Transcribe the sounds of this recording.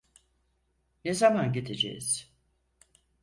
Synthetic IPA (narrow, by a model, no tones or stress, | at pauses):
nezamanɟid̪ed͡ʒḛjiz̥